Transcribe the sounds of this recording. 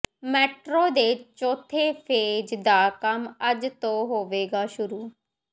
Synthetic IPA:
mɛːʈɾoːd̪eːt͡ʃɔːt̪ʰeːpʰeːd͡ʒd̪aːkəməd͡ʒt̪õːɦoːʋeːɡaːʃʊɾuː

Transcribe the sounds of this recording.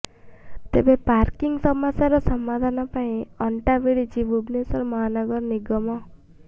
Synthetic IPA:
t̪ḛbepaɾkiŋɡsɔmasaɾɔsɔmːad̪ʱanɔpaĩɔɳʈabeɽit͡ʃibubnesɔɾmɔɦanɔɡɔɾniɡɔmɔ

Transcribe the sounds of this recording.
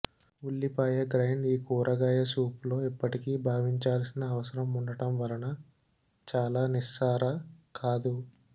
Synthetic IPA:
ulːipaːjɐɡɾɐjniːkuːɾʔɐɡaːjɐsuːplo̞ːipːɐʈikiːbʱaːʋiɲt͡ʃaːlsinɐːʋɐsɐɾɐmuɳɖɐʈɐmʋɐlɐnɐ | t͡ʃaːlaːnisaːɾɐkʰaːd̪u

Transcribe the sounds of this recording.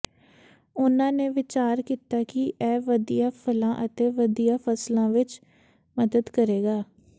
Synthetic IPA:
ʊnãːneːʋɪt͡ʃaːɾkiːt̪aːkɪʔɛːʋəd̪ijaːpʰəlãːʔət̪eːʋəd̪ijaːpʰəslãːʋɪt͡ʃ | məd̪əd̪kəɾeːɡaː

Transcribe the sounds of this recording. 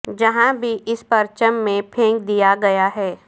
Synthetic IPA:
d͡ʒɐɦãbʱiʔɪspɐɾt͡ʃəmːẽpʰẽːŋk̚d̪ijaɡɐjaɦɛː

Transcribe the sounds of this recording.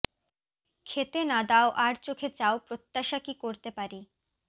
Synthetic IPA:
kʰet̪enad̪aoʔaɾt͡ɕokʰet͡ɕaopɾot̪ːaʃakikoɾt̪epaɾi

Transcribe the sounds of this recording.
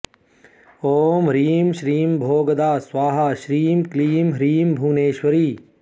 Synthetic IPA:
oːmɾiːmʃɾiːmbʱoːɡəd̪aːswaːɦaʃɾiːmkliːmɦɾiːmbʱuːneːʃwəɾiː

